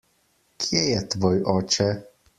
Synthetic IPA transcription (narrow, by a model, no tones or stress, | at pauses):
kʰiɛjɛt̪ʋɒjɒt͡ʃɛ